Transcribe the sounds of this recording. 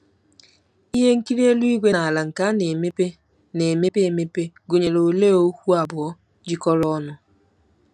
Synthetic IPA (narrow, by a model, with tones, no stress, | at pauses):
i˦ɦe˦ŋ̩˦ki˦ɾi˦e˦lu˦i˦ɡʷe˦na˨a˨la˨ŋ̩˨ka˦ne˨m˦e˦ | ne˨me˦pe˦e˨me˦pe˦ɡo˨ɲe˨lo˨le˦o˦kʷu˦a˨bʊ˨ɔ˦ | d͡ʒi˦kɔ˦ɾɔ˦nʊ˦